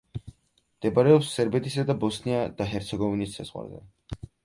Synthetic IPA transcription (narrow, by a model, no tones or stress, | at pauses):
md̪̥ɛbaɾɛɔpsːɛɾbɛt̪ʰisad̪abɔsniad̪̥aɦɛɾt̪sʰɛɡɔvinisːa̰z̥ʁwa̰ɾzɛ̰